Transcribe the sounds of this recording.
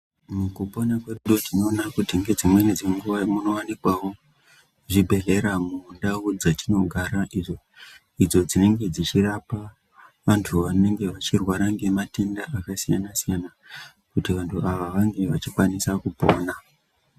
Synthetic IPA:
mukupo̞nakweɗuɗotino̞ːnakutiŋɡe̞d͡zimwe̞ned͡ziŋɡuamuno̞wanikwawo̞ | ʐibʱe̞ɮe̞ɾamundaud͡zatino̞ɡʱaɾaʔiʐo | id͡zo̞d͡zine̞ŋɡe̞d͡zit͡ʃirapa | ʋantʰuʋane̞ŋɡe̞ʋat͡ʃirwaɾaŋɡe̞mate̞ndaʔakasijanasijana | kutiʋantʰuaʋaʋaŋɡe̞ʋat͡ʃikwanisakupo̞̰ːna

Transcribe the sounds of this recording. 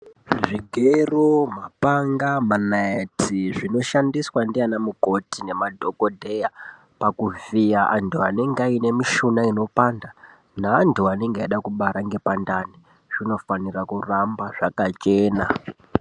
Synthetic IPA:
ʐiɡʱeromapaŋɡamanaetiʐino̞ʃandiswandianamuko̞tine̞madʱo̞kodʱe̞ja | pakuvijaʔantʰuane̞ŋɡaine̞miʃunaino̞panda | naːntʰuane̞ŋɡaiɗakuɓaɾaŋɡe̞pandani | ʐ̥ino̞fanirakurambaʐakat͡ʃeːna

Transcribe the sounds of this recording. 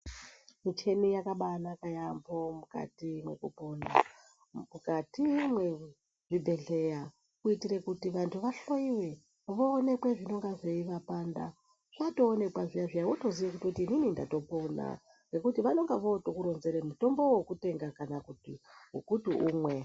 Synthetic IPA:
mit͡ʃe̞nijakaɓanakajambo̞muka̰timwekupo̞ːna̰ | mukatimwe̞ | ʐ̥ibʱe̞ɮe̞ja | kuitiɾekutiʋantʰuʋaɬo̞iwe̞ | ʋoːne̞kweʐino̞ŋɡaʐeiʋapanda̰ | ʐ̥ato̞ːne̞kwaʐijaʐijawoto̞ziʋekutiotiːnininda̰to̞po̞na̰ | re̞kutiʋano̞ŋɡaʋo̞tokuɾo̞nze̞ɾemuto̞mbo̞wokute̞ŋɡakanakutiɦṵkutuʔuːmwe̞

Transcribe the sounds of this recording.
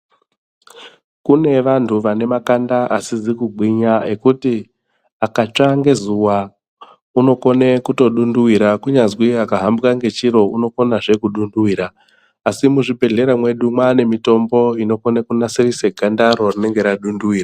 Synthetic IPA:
kune̞ʋantʰuʋane̞makandaʔasizikuɡ͡bʱiɲae̞kuti | akat͡ʂaŋɡe̞zuwa | uno̞ko̞ne̞kuto̞ɗunduwiɾakuɲazwiakaɦambkaŋɡe̞t͡ʃiɾo̞uno̞ko̞naʐe̞kuɗunduwiːɾaː | simuʐibʱe̞ɮe̞ɾamwe̞ɗumwane̞mito̞mbo̞ino̞ko̞nekunasirise̞ɡʱandaɾo̞rine̞ŋɡe̞ɾaɗunduwiːra

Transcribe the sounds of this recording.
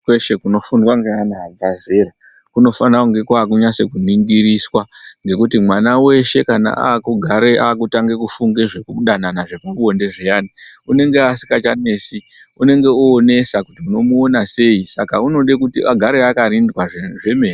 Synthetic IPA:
kweʃekuno̞funwaŋɡeanaadazeɾa | kuno̞fanauŋɡe̞kwaːk̬uɲase̞kumiŋɡiɾiswaŋɡe̞kutimwanawe̞ʃe̞kana̰ʔa̰ːkuɡʱaɾeaːkutaŋɡe̞kufuŋɡe̞ʐe̞kuɗananaʐe̞kuonde̞ʐejaːniune̞ŋɡeasi̥kat͡ʃane̞ːsi | une̞ŋɡe̞uone̞sakutiuno̞muonase̞isakauno̞ɗekutiʔaɡʱaɾeakaɾindwaeʐe̞mere

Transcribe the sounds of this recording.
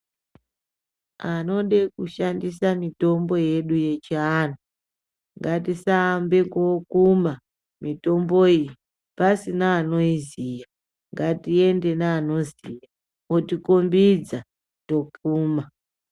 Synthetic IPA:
ano̞ɗekuʃandisamito̞mbo̞je̞ɗuje̞t͡ʃianu | ŋɡatisaːmbeŋɡokuma | mito̞mbo̞ij | pasinaːno̞izija | ŋɡatie̞nde̞naːno̞zija | otikombid͡za | to̞kuːma

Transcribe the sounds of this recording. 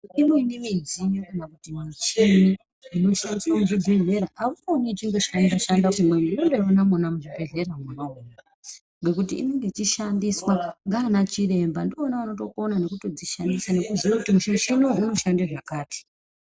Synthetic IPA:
inoinimid͡ziɲokanakutimat͡ʃini | ino̞ʃandisamuʐid͡zimeɾaʔauonit͡ʃiŋɡeʃanaʃandaimweninonderonamunamuʐibʱe̞ɮe̞ɾamunauna | ŋɡe̞kutḭːne̞ŋɡe̞t͡ʃiʃandiswaŋɡanat͡ʃire̞mbandoːnaano̞to̞konane̞kuto̞d͡ziʃandisane̞kuziwakutimuʃaʃinouno̞ʃandeʐakaːti̥

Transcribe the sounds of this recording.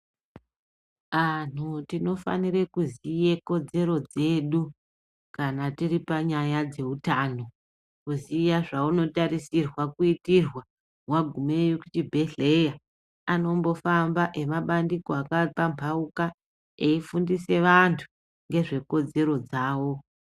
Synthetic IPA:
an̤utino̞fa̰niɾekuzijeko̞d͡ze̞ɾo̞d͡ze̞ɗu | kanatiripaɲajad͡ze̞utaːno̞ | kuzijaʐauno̞taɾisirwakuitirwa | waɡʱumejokut͡ʃibʱe̞ɬe̞ja | ano̞mbo̞fambaʔe̞maɓandikoakapampʰauka | eifundise̞ʋantʰu̥ | ŋɡe̞ʐe̞ko̞d͡ze̞ɾo̞d͡zaːwo̞

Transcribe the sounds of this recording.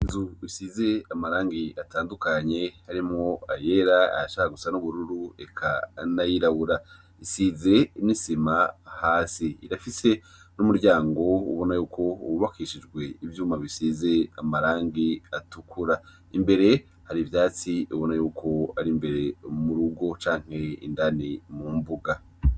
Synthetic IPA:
izuβisize̞amaɾaːŋɡiataːndukaɲe̞haɾimŋoaje̞ɾaa̰aʃaːhaɡusanuβuɾuɾue̞kʰanajiɾaβuɾa | isize̞nisimahaːsiiɾafise̞ | numuɾɟaːŋɡo̞ṵβo̞najuːkʰo̞ṵβuβakiʃid͡ʒɡwe̞ivjuːmaβisize̞amaɾaːŋɡiatukʰuɾa | imbe̞ɾe̞ | haɾivjaːt͡siiβo̞najuːkʰo̞aɾimbe̞ɾe̞muɾuɡo̞t͡ʃaːŋ̥he̞ḭndanimuːmbuɡa

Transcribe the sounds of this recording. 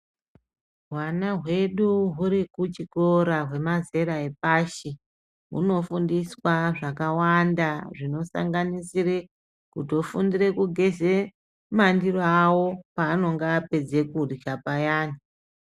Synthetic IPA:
ɦwanaɦwe̞ɗuɦuɾikut͡ʃiko̞ɾaɦwe̞maze̞ɾaepaːʃi | ɦṵno̞fundiswaʐakawandaʐino̞sa̰ŋɡanisire | kuto̞fundire̞kuɡʱe̞ze | mandiroawo̞paːno̞ŋɡaːpe̞d͡ze̞kudʃapajaːni

